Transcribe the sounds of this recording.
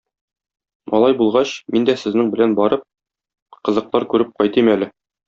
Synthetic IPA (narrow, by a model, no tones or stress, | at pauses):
mɒ̰lˠɑjbulˠʁɑɕmind̪æsɘ̆znɘŋbɘ̆lænbɒɾɤp̚ | qɤ̆zɤ̆q̚t̪ˠɑɾkʉɾɘp̚qɒjt̪imælɘ